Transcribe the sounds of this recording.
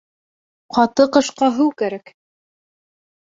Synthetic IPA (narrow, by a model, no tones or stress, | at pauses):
qɑt̪ɤqɤ̆ʃqɑɦʉwkæɾæk